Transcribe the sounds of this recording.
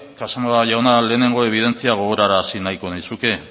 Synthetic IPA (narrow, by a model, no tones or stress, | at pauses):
kasamoaʝawnale̞ːne̞ŋɡo̞eβ̞ið̞e̞nt͡siaɣ̞o̞ɣ̞o̞ɾaɾaːsinajko̞naisuke̞